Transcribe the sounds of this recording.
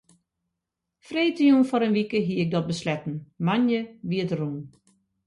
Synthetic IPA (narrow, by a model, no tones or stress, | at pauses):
freːtəjunfɔɾənʋikəɦiəɪk̚dɔt̚bəslɛtn̩manjəʋiətərun